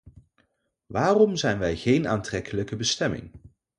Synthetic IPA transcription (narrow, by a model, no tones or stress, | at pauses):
ʋaːrɔmzɛjnʋɛjχejnaːntrɛkələkəbəstɛmɪ̰ŋ